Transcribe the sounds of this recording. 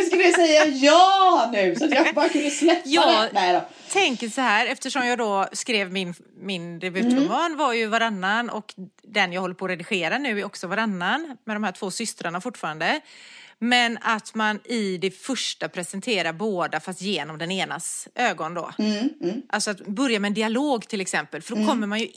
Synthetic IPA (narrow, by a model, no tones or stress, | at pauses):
skaləd̪ɛssɛjːajɑːnʉ̟ːsɔat̪jabɑːɾakʰɵnd̪əslɛpːjɑaːɛnɛd̪ɔ | t̪ʰɛŋkəʂɔɦæːɾɛft̪əʂɔmjɑːɡd̪ɔskɾeːvmɪn | mɪnɾɛbʏt̪ːʊmɑːnvaɾjɵvaɾanːanɔ̰k | d̪ɛnjɑːɡhɔlːəɾpʰɔɾɛd̪ɪɧeːɾanʉ̟ːɪɔksɔvaɾanːanmɛd̪ɔmhæːʈʰv̥oːsʏst̪ɾaɳafʊʈːfɑːɾand̪ə | mɛnat̪manɪd̪ɛfœʂʈapʰɾɛsɛnt̪ʰeːɾaɾboːd̪afast̪jeːnɔmd̪ɛneːnasʔøːɡɔnd̪ɔ̰ː | ʔalsɔat̪bœɾjamɛːnd̪ɪaloːɡt̪ʰɪlːɛksɛmpəlfœɖokʰɔmːəɾmanjɵ